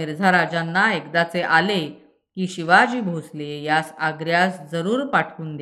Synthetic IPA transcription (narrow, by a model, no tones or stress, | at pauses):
iɾd͡zʱaɾad͡ʑanːaekd̪at͡seʔale | kiːɕiʋad͡ʑiːbʱoslejasaɡɾjasd͡zəɾuːɾpaʈʰkuːnd̪